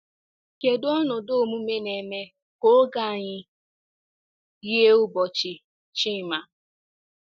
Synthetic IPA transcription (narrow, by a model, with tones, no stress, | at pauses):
ke˨dɔ˦nʊ˨do˦˨mu˦me˦ne˨me˦ | ko˦ɡa˦˨ɲɪ˦ | ɣi˦e˦ʊ˦bɔ˨t͡ʃɪ˨ | t͡ʃi˦˨ma˨